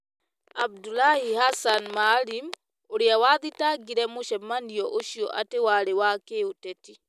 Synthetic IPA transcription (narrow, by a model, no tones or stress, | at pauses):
ʔab̚dulahihasanmalim | oɾiawad̪itaɡiɾɛmuʃɛmːanijɔʔoʃiɔ̰ʔatɛwaɾɛwakeuteti